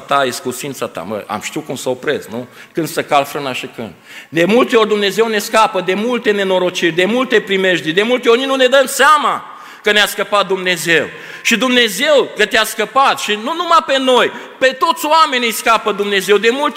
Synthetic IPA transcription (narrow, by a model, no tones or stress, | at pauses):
t̪ajeskusint̪sat̪a̰mə̰a̰mʃt̪iukumsaopɾeznukɨnd̪̥səkalfɾɨnaʃikɨ̰nd̪̚d̪e̞mult̪eo̞rʲd̪umne̞ze̞wne̞skapəd̪e̞mult̪e̞ne̞no̞ɾo̞t͡ʃirʲd̪e̞mult̪e̞pɾime̞ʃd̪id̪e̞mult̪eorʲninune̞d̪əmseama | kəneaskəpat̪̚d̪umne̞ze̞w | ʃid̪umne̞ze̞wkət̪easkəpat̪ʃinunumape̞no̞j | pe̞t̪o̞t̪sʲoame̞nʲijskapəd̪umne̞zewd̪e̞mult̪